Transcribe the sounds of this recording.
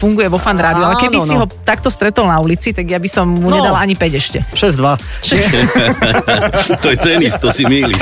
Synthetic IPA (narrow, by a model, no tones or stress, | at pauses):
fuŋɡujɛʋɔfand̪ɾaːd̪iɔalɛkɛbiiɦɔt̪ak̚t̪ɔst̪ɾɛt̪ɔlnaulit͡sit̪aɡjabisɔmmuɲɛd̪alaɲipɛɟɛʃcɛʃɛzd̪ʋaʃɛz | t̪ɔjɛt̪ɛnist̪ɔsimiːli